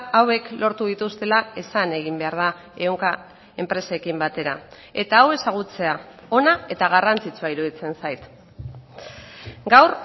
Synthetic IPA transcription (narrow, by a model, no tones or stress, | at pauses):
awe̞klo̞ɾt̪uðit̪ust̪e̞lae̞sane̞ɣimbe̞aɾð̞a | ewŋka | e̞mpɾe̞se̞kimbat̪e̞ɾa | e̞t̪aːwe̞saɣ̞ut͡se̞a | o̞nae̞t̪aɣ̞arant͡sit͡suaiɾuðit͡se̞nsajt̪ | ɡawr